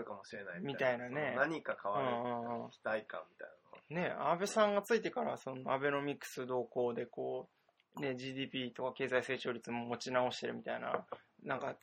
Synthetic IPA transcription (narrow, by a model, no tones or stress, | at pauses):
ɯ̟kamo̞ɕiɾe̞naimʲit̪ainane̞naɲ̟ikakʰaβaɯñːɯ̃ːɯ̃ːi̥t̪aikã̰mːʲit̪a̰jnano̰ne̞a̰be̞sãŋɡat͡sɨit̪e̞kaɾaso̞no̞abe̞no̞mʲikːɯ̟̥sɨd̪o̞ːko̞ːd̪e̞ko̞ː | ne̞ʑiːd̪iːpʲit̪o̞kake̞ːzaise̞ːt͡ɕo̞ːɾʲit͡sɨmo̞mo̞t͡ɕinao̞ɕi̥t̪e̞ɾɯ̟mʲit̪aina̰nãŋka